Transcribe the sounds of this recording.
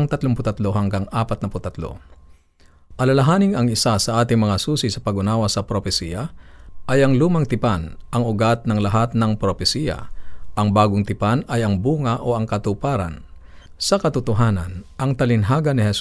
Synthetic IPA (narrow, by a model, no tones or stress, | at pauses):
ŋt̪ɐt̪loŋpʊt̪ɐt̪lo̞hɐŋɡaŋʔaːpɐt̪̚nɐpʊt̪ɐt̪lo̰ | ʔɐlɐlɐɦaːnɪŋɐŋɪsasɐʔaːt̪ɪŋmɐŋasuːsisɐpɐɡʊnaːwɐsɐpɾopɛsijɐʔɐjɐŋluːmɐŋt̪ɪpanʔɐŋʊɡat̪̚nɐŋlɐɦat̪̚nɐŋpɾopɛsijɐ̰ʔɐŋbaːɡʊŋt̪ɪpanɐjɐŋbuːŋɐʔoʔɐŋkɐt̪ʊpaːɾɐ̰n | sɐkɐt̪ʊt̪ʊɦaːnɐ̰nʔɐŋt̪ɐlɪnɦaːɡɐnɪhɛs